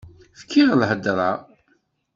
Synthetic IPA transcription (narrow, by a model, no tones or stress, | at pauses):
fkʰːiʁəlhəd̪ɾˤɑ